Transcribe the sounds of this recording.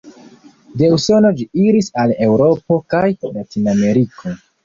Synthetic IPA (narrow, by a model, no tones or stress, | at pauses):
de̞uso̞no̞d͡ʒiiɾisale̞wɾo̞po̞kajlatiname̞ɾikʰo̞